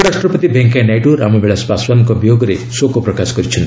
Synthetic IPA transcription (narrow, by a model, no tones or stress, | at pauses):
ɾaʂʈɾɔpɔt̪ibʱeŋkajnajʈuɾa̰mɔbeɭaspaswanɔŋkɔbijoɡɔɾesokɔpɾɔkasɔ̥kɔɾit͡ʃʰɔnt̪i